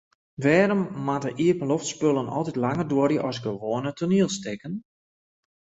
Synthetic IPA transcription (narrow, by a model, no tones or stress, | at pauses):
ʋɛːɾəmːatəʔiəpəloftspølˠənʔɔ̰lˠtitlaŋərdoərjəʔɔsɡəʋoənətʰuniəlˠstɪkən